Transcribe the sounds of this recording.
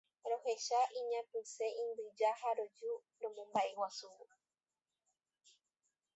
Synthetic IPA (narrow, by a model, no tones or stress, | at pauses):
ɾo̞he̞ʃaʔiɲãpɨ̃se̞ʔĩnd̪ɨd͡ʒahaɾo̞d͡ʒu | ɾõmõmbaʔewasuwu